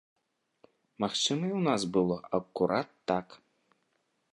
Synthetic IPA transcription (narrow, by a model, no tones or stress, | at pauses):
maxt͡ʂɨmɐiwnasbɨlˠɔʔɐkuɾʔat̪ːak